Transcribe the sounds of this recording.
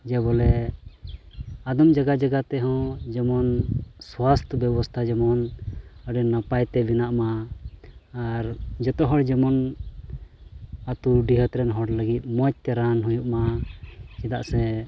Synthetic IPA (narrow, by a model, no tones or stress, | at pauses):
d͡ʒɛbɔlɛ | ad̪ɔmd͡ʒaɡad͡ʒaɡat̪ɛɦɔ̃d͡ʒɛmɔnswast̪ʰəbɛbɔst̪ʰad͡ʒɛmɔnəɖɛnapajt̪ɛbinaʔmaː | ɾd͡ʒɔt̪ɔɦɔɽd͡ʒɛmɔn | at̪uɖiɦət̪ɾɛnɦɔɽləɡit̪̚mɔc̚t̪ɛɾanɦujuʔma | t͡ʃɛd̪aʔsɛ